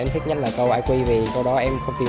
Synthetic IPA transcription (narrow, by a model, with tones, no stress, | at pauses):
e˧nt̪ʰi˦˥t̚ɲə˦˥t̚laː˨˩kə˧wʔaː˧jkwi˧vi˨˩kə˧wɗɔ˨˦ʔɛ˧mxə˧wŋ͡mt̪ʰi˨˩